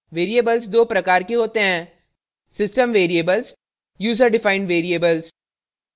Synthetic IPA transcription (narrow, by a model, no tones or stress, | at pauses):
ʋeːɾieːbəlzd̪oːpɾɐkaːɾkeɦoːt̪eɦɛ̃ː | sɪsʈəmʋeːɾieːbəlz | juːzəɾɖɪfaːɪ̃ɳɖʋeːɾieːbəlz